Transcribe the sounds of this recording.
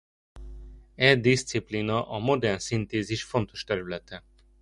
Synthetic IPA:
ɛd̪ist̪siplinɒʔɒmo̞d̪ɛrnsint̪eːziʃfo̞nt̪o̞̥ʃt̪ɛɾylɛt̪ɛ

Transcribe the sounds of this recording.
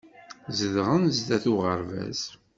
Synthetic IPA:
zəðʁənzd̪æθuʁəɾvæ̰z

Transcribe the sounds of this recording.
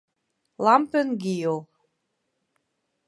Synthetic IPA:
lɑmpənɡijol

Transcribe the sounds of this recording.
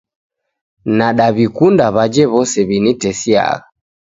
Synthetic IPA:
naɗaβikundaβad͡ʒɛβɔsɛβinitɛsia̰ɣa

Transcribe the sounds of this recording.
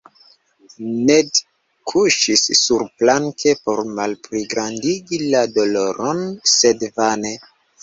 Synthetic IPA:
ned | kʰuʃisːuɾplaŋkʰe̞po̞ɾmalpɾiɡɾandiɡilado̞lo̞ɾo̞nse̞dvane

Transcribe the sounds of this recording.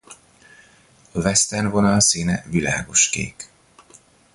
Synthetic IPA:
ɒvɛst̪ɛnvo̞nɒlsiːnɛvila̰ːɡo̞ʃkḛːk

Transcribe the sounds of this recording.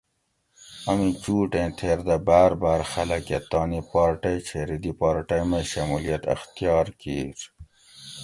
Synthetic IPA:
ɐmĩt͡ɕuːʈẽːt̪ʰeːɾd̪abaːɾbaːɾxɐlɐket̪ɑːnipɑːɾʈɐjt͡ɕʰeɾid̪ipɑːɾʈɐjmɐjɕɐmulijɐt̪ɐ̰xt̪ijɑːɾkiːɾ

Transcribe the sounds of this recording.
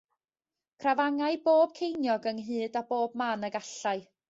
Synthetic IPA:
kʰravaŋaɨboːb̥̚kʰejnjɔɡənɦɨːdaboːb̚maːnəɡaɬaɨ

